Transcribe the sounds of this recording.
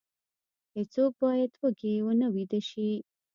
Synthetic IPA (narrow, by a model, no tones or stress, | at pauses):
hɪt͡sok̚bɑjad̪wəkewənəwid̪əʃi